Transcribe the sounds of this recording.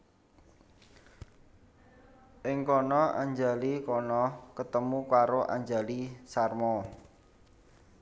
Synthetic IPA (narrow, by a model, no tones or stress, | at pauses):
ʔɪŋkɔnɔa̰ɲd͡ʒa̤likɔnɔkət̪əmukaɾoʔa̰ɲd͡ʒa̤lisarmɔ